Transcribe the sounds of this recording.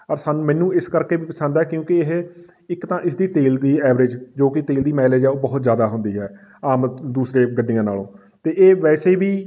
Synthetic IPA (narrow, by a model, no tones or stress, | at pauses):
əɾsaːnũːmɛ̃ːnũːɪskəɾkeːbiːpəsə̃nd̪aɛːkjõːkɪɪɦ | ɪkt̪ãːʔɪsd̪iːt̪eːld̪iːɛːʋɾɪd͡ʒd͡ʒoːkɪt̪eːld̪iːmɛːled͡ʒɛːoːbɔɦt̪zjaːd̪aːɦʊnd̪iːɦɛː | aːmd̪uːsɾẽːɡəɖːɪjãːna̰ːlõ̰ː | t̪eːʔeːʋɛːseiːʋiː